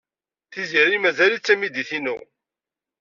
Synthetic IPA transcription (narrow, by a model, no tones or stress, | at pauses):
θiziɾimæzælit͡sːæmid̪iθinṵʁ